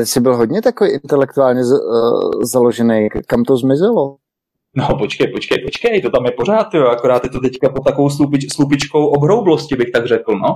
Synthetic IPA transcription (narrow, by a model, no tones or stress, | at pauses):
sɪbɪlɦodɲɛt̪akoveʔɪnt̪ɛlɛk̚t̪uaːlɲɛz | zalo̞ʒɛnejkamt̪ozmɪzɪlo | nopot͡ʃkɛjpot͡ʃkɛjpo̞t͡ʃkɛjt̪ot̪amjɛpoɾaːt̪joakoɾaːt̪jɛt̪ot̪ɛckapot̪ːakovowslupɪslup̬ɪt͡ʃkowʔobɦɾowbloscɪbɪxt̪aɡrɛkl̩no